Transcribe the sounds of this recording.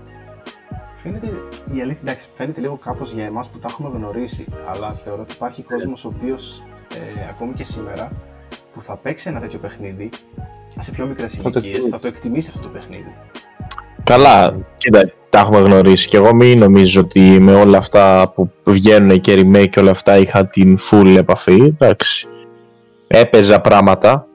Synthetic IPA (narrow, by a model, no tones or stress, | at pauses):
fenet̪eiɐliθid̪ɐksi̥fe̞net̪e̞liɣo̞kɐpo̞zʝɐemɐsput̪ɐxume̞ɣno̞ɾisiɐ̰lɐθe̞o̞ɾoot̪ipɐɾçiko̞zmosoːpio̞seɐko̞mice̞sime̞ɾɐ | puθɐpe̞ksienɐt̪et̪çope̞xniði | sepço̞mikɾesitiesθɐt̪oekt̪imisiɐft̪o̞t̪opexniði | kɐlɐcind̪ɐ̥t̪ɐɐxume̞ɣno̞ɾisi̥ceɣo̞mino̞mizoot̪ime̞o̞lɐːft̪ɐpuvʝe̞nunece̞ɾime̞ceo̞lɐːft̪ɐixɐt̪infulie̞pɐfid̪ɐksi̥ | e̞pe̞zɐpɾɐmɐt̪ɐ